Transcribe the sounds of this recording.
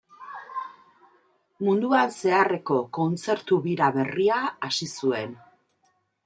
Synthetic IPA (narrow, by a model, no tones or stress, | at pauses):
mund̪uanse̞are̞ko̞ko̞nt͡se̞ɾt̪uβiɾaβe̞riaːsisue̞n